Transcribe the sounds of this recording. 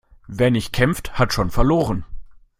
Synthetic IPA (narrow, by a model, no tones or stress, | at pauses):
veːɐnɪçt̚kʰɛmfthatʃoːnfɛɐloːʁən